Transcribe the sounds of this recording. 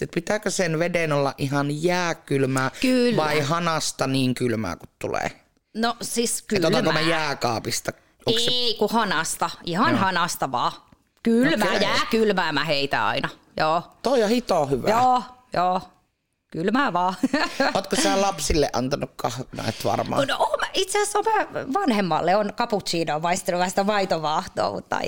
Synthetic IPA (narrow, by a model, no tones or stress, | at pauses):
et̪pit̪ækøsenʋedenolːɑʔʔihɑnjæːkylmæːkylʋɑˑihɑnɑst̪ɑniːŋkylmæ̰ːkut̪t̪ṵlḛ | nosiskeyt̪olt̪mæmæjæːkɑːpist̪ɑ | osseikuhɑnɑst̪ɑihɑnhɑnɑst̪ɑʋɑː | kylmæːjæːkylmæːmæheit̪æ̰ɑ̰inɑ | joːt̪oiɑhit̪oːhyʋæjoːjoː | kylmæːʋɑːot̪kosæːlɑpsilːḛʔɑnt̪ɑnukkɑhnɑ̰it̪ʋɑ̰rmɑ̰ːnoʔoːmæit̪seæsːomæːʋɑnhemːɑlːeonkɑput̪siːnoːmɑist̪eluʋæːst̪æmɑit̪oʋɑːˑht̪o̰ːmṵt̪ːɑ̰